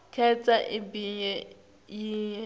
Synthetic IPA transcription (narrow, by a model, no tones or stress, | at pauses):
kʰɛt͡sʼaʔibiɲɛ | jiːɲɛ